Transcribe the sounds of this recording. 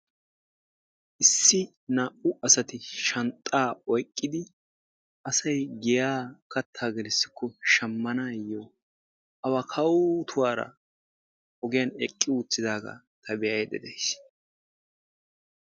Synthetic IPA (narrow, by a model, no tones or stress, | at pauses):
ʔɪsːɪ | naːʔʊɐsɐt̪ɪʃɐnt̪ʼːaːɔjkʼːɪd̪ɪ | ɐsɐjɡɛjaːkɐt̪ʰːaːɡɛlɪsːɪ̥kːɔʃɐmːɐnajːo | ʔɐwakʰɐwt̪ʰʊwaːɾɐ̰ | ɔɡɪjɐnɛkʼːɪut͡sːɪd̪aːɡɐ̰ | t̪ʰɐbɛjɐjd̪ɛ̰d̪ɛjs